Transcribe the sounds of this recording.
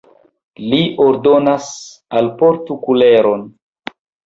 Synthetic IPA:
liʔoɾdo̞nasalpoɾtukuleɾon

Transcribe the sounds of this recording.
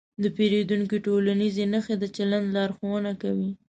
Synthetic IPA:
d̪əpeɾed̪uŋkiʈolanizenəxed̪ət͡ʃaland̪lɑɾxowənakawi

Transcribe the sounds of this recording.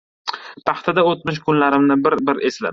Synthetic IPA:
pʰɑχt̪ʰad̪aot̪̚mɪʃ̬kʰʊnlaɾɪmnɪbɪɾbɪɾesla̰

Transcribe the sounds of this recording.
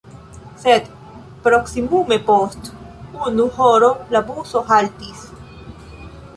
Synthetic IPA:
sed̪ | pɾoksimumepost̪ | unuhoɾolabusoxalt̪is

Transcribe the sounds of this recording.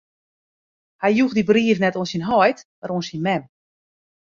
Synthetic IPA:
hajjuxdibriəfnɛtoːnsinɦɔjtmaɾonsinmɛm

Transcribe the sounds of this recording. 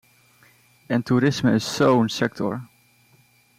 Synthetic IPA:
ɛntuɾɪsməɪsːownsɛk̚tʰɔ̰ɹ

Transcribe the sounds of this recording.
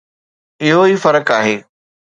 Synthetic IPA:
ɪɦoiːfɐɾəkaːɦeː

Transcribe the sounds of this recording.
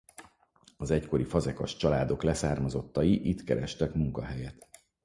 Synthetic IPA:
ɒzɛcko̞ɾifɒzɛkɒʃt͡ʃɒlaːd̪o̞klɛsaːrmɒzo̞t̪ːɒjiʔit̪kɛɾɛʃt̪ɛkmuŋkɒɦɛjɛt̪

